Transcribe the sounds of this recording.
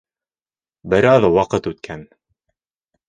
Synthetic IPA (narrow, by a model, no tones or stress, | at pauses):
bɘ̆ɾɑðwɑqɤt̪ʉt̪̚kʰæn